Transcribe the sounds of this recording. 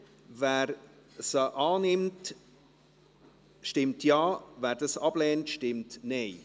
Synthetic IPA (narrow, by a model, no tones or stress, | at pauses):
vɛːɾ | səʔɑːnɪmt | ʃtɪmtjɑːvæːɾd̥əsɑblɛːntʃtɪmtneɪ